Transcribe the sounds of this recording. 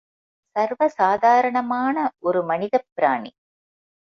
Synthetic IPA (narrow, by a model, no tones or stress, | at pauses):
sɐrʋɐsaːd̪ʱaːɾɐɳɐmaːnɐʔoɾɯmɐniðɐpːɾaːɳḭ